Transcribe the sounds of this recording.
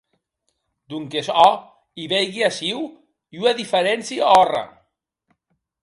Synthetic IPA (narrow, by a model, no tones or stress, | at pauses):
d̪uŋkesɔ | iβejɣiasiw | iuaðifeɾɛnsiɔra̰